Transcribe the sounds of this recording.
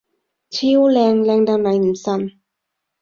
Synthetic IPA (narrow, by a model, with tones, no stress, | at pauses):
t͡ɕʰiː˥wlɛː˧ŋlɛː˧ŋd̪a˧ŋnɐ˨˩˥jm̩˨˩sa˧˩n